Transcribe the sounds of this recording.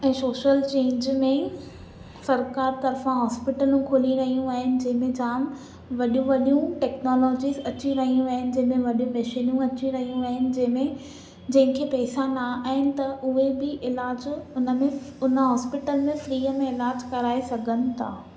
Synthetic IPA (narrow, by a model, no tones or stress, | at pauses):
ɛ̃ːsoːʃəlt͡ɕẽːɲd͡ʑmẽ | sɐɾkaːɾt̪ɐɾfãɦɔːspɪʈəlũkʰoːliɾɐɦijũaːɦɪnɪ̆d͡ʑɐ̃ɦɪ̃mẽd͡ʑaːm | ʋɐɗijũʋɐɗijũʈɛːknoːlɔːd͡ʑizɐt͡ɕiɾɐɦijũaːɦɪnɪ̆d͡ʑɐ̃ɦɪ̃mẽʋɐɗjũmɛʃiːnũɐt͡ɕiɾɐɦijũaɦɪnɪ̆d͡ʑɐ̃ɦɪ̃mẽ | d͡ʑɐ̃ɦɪ̃kʰeːpɛːsãnaaːɦɪnɪ̆t̪ɐʔʊɦebɪʔɪlaːd͡ʑʊnəmẽʊnə̆ɦɔːspɪʈəlmẽfɾiːəmẽɪlaːd͡ʑkɐɾaːesɐɡʱənɪ̆t̪ʰa̰ː